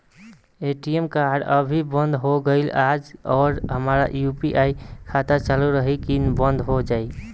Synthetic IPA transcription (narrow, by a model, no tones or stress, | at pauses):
eʈiemkaɾɖə̰bʱibənd̪ʱɦoɡəɪlad͡ʒɔːɾɦəmɾa̰jupiʔaikʰat̪at͡ʃaluɾəɦikinbənd̪ʱɦod͡ʒai